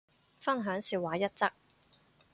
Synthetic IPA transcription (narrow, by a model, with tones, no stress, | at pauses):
fɐ˥nɦœː˨˥ŋsiː˧waː˨˥jɐ˥t̚t͡sɐ˥k̚